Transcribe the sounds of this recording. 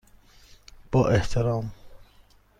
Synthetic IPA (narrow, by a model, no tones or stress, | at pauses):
b̥ɒːʔeht̪ʰeɾɒːm